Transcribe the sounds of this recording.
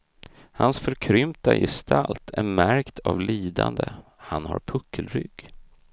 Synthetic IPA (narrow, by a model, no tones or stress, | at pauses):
hansfœɾkʰɾʏmt̪ajɛst̪ʰalt̪ʰæɾmæɾkt̪ʰavliːd̪and̪ə | hanhaɾpʰɵkʰːəlɾʏɡ